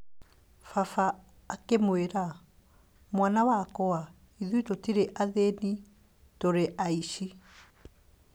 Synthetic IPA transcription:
fafaː | kemweɾa | mwanawakɔa | iðuitotiɾeʔaðeni | toɾeʔaiʃi

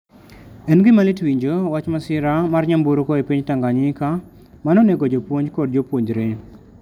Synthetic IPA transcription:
ɛnɡɪmalitwiɲd͡ʒowat͡ʃmasɪɾamarɲamboɾokɔepiɲtaŋɡaɲɪka | manɔneɡod͡ʒopwoɲd͡ʒkɔdd͡ʒopwoɲd͡ʒɾe

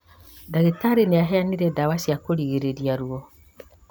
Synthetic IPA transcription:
daɣetaɾeneaɦɛaniɾɛdawasjakoɾiɣeɾeɾiaɾuɔ

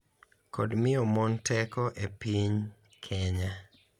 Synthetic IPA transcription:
kodmɪɔmɔntɛkɔʔepiɲ | kʰɛɲa

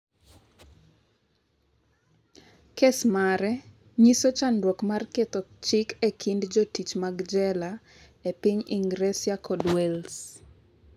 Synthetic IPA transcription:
kesmaɾɛ | ɲisot͡ʃandwokmarket̪ɔt͡ʃɪkekʰindd͡ʒotit͡ʃmaɡd͡ʒɛla | epiɲiŋɡɾesɪakɔdwɛls

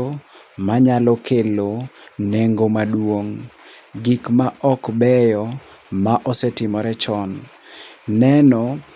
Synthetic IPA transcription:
o | maɲalɔkeloneŋɡomadwoŋɡikmaʔɔkbɛjɔmaʔɔsɛtɪmɔɾɛt͡ʃɔn | nɛnɔ

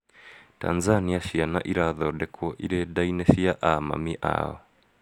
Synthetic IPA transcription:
ta̰nzaniaʃiana̰ʔiɾaðɔɗɛkʰuɔʔiɾɛdainɛsiaʔama̰miʔa̰ɔ̰

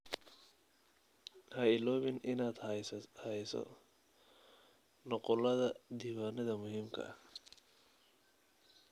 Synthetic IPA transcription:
hɐɪlɔːβɪnʔɪnaːd̪hɐjsɔ̰ | nɔqɔlɐðɐd̪iːwaːnɐðɐmʊɦiːmkʰɐ̰ʔɐ̰

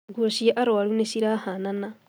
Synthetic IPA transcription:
ɡoʃijaʔaɾoalunesiɾahanana

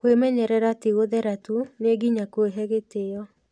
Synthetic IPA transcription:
kwemɛɲɛɾɛɾateɣoðɛɾatuneɡiɲakweɦɛɣeteɔ

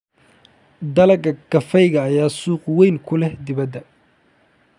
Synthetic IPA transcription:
d̪ɐlɐɡɐɡ̥ɐfɛjɣɐːjaːsuːqwɛjŋkʰʊlɛhd̪ɪβɐd̪ːɐ

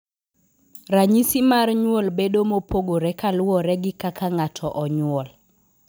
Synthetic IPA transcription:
raɲisimarɲwɔlbedomopoɡoɾɛkalʊɔɾɛɡɪkakaŋatʰɔʔɔɲwɔl

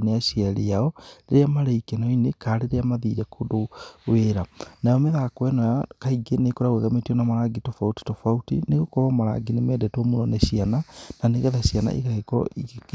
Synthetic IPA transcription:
neaɕiaɾiaɔɾeɾeamaɾaikɛnɔinekaɾeɾeamaðiɾɛkʰodoweɾanajɔmeðakwɛnɔjakaiɡenekoɾaɣweɣametiɔnamaɾaɡitofauti̥tofautḭneɣokoβamaɾa̰ɡinemɛːdɛtwɔmonɔneɕianananeɣɛðaɕiana̰ʔḭɣaɣekɔ̰ʔik

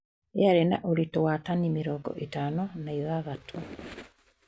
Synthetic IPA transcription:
eaɾena̰ʔoɾitowatanimeɾɔːɡɔ̰ʔetaːnɔnaiðaɣatʰo

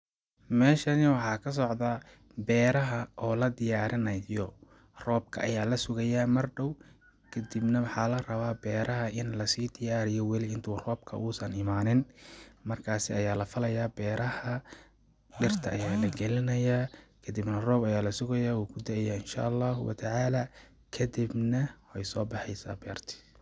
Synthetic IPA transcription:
mɛːʃɐnɪwɑħɑːkʰɐs̬ɔʕðɐ | bɛːɾɐɦɐʔɔːlɐd̪ɪjaːɾɪnɐjɔ | rɔːb̚kʰɐ̰ʔɐjaːlɐsʊɣɐjaːmɐrɖɔw | kʰɐd̪ibnɐwɑħɑːlɐrɐβaːbɛːɾʔɐɦɐʔɪnlɐsiːd̪ɪjaːɾɪjɔwɛlɪɪnt̪ʰuːrɔːb̚kʰɐ̰ʔuːsɐnɪmaːnɪnmɐrkʰaːsɪɐjaːlɐfɐlɐjaːbɛːɾʔɐhɐ | ɖɪrt̪ʰɐʔɐjaːlɐɡɛlɪnɐjaːkʰɐd̪ibnɐrɔːbɐjaːlɐsʊɣɐjaːwuːkʰʊd̪ɐjaːɪnʃa̰ːʔɑlːɑːɦʊwɐ̰t̪ʰɐʕaːlaː | kʰɐd̪ɪbnɐwɛjsɔːbɑħɛjsa̰ːbɛːrt̪ʰɪ̥

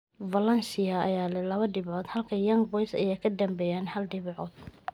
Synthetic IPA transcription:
vɐlɐnsɪjɐɐ̰jaːlɛlɐβɐɖɪβʕɔːd̪hɐlkʰɐjɐŋbɔjsɐ̰jɛkʰɐd̪ɐmbɛːjaːnhɐlɖɪβʕɔːd̪̥̚

